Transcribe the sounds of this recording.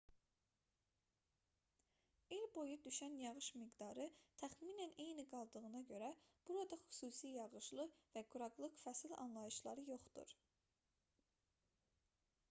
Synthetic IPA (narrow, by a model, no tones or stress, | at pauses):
ilbo̞jud̪yʃænjɑʁɯʃmiɡd̪ɑɾɯt̪ʰæχmiːnænejniɡɑlˠd̪ɯʁɯnɑɟø̞ɾæb̥uɾɑd̪ɑχy̥suːsijɑʁɯʃlˠɯvæɡuɾɑɡlˠɯkfæsilɑ̰nlˠɑjɯʃlˠɑɾɯjo̞χd̪ṵɾ